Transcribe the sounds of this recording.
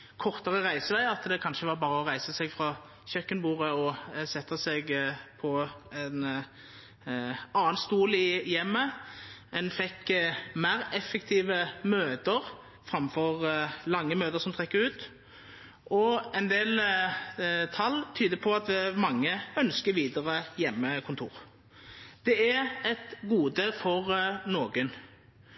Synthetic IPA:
kʰɔʁt̪əʁəʁæɪsəʋæɪɑt̪d̪ɛkʰɑnʃəʋɑɾbɑːʁəɔʁæɪsəsɛɡfʁɑ | çœkːənbuːʁəɔsɛt̪ːəsɛɡpʰɔɛn | ɑːnst̪uːlɪjɛmːə | ɛnfɛkːmæʁɛfːəkt̪ʰiːʋəmøːd̪əʁ | fʁɑmfɔʁlɑŋːəmøːd̪əʁsɔmt̪ʰʁɛkːəʉːt̪ | ɔɛnd̪eːl | t̪ʰɑlːt̪ʰyːd̪əpʰɔɑt̪ʋɪmɑŋːəœnskəʋiːd̪əʁəjɛmːəkʰʊnt̪ʰṵːʁ | d̪̥ɛæɛt̪ɡuːd̪əfɔʁnoːɡən

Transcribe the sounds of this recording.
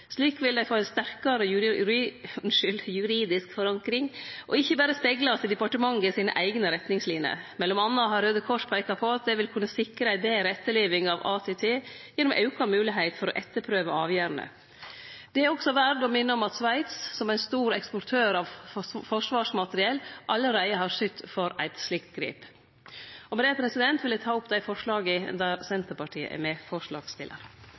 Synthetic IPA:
ʂɭiːkʋɪld̪æɪfoːɛnst̪æɾkɑɾəj | ʉʂʏljʉɾiːd̪ɪskfɔɾɑŋkɾɪŋʔɔ̰ɪçːəbæːɾəspɛɡlɑst̪ɪd̪ɛpɑʈəmɑŋːəɪsiːnə̰ʔæɪɡnəɾɛt̪nɪŋslinɪə̰mɛlːɔmɑnːɑɦɑɾøːd̪əkʰɔʂpʰæɪkɑpʰɔɑt̪̚d̪ɛʋɪlkʰʉnːəsɪkɾəæɪd̪eːɾəɛt̪ːəɭeːʋɪŋɑʋɑ̰ːt̪ʰɛːt̪ʰeːjɛnːɔmʔɑ̰ʉkɑmʉːlɪɦeɪt̪fɔɾɔ̰ʔɛt̪ːəɾpʰɾøːʋəɑːʋjøːɾnə̰ | d̪̥ɛæɾɔksɔʋæɾɖɔmɪnːəɔmɑt̪sʋæɪt̪ssɔmæɪnst̪uːɾɛkspɔɾʈʰøːɾɑʋfɔʂʋɑːʂmɑt̪əɾɪɛlʔɑlːəɾæɪəɦɑɾʂʏt̪ːfɔɾæ̰ɪt̪slɪkt̪ɡɾḭːp | ɔmɛd̪ɛːpʰɾɛsɪd̪ɛnt̪ʰʋɪlɛt̪ʰɑːʊpd̪æɪfɔʂɭɑːɡəd̪æɾsɛnt̪əɾpɑʈʰiːə̰ʔɛ̰ɾmɛfɔʂɭɑ̰ːɡst̪ɪlːə̰ɾ

